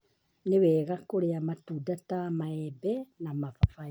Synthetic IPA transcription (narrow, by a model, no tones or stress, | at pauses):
newɛːɣakoɾeamatuːdatamaɛbɛnamafafai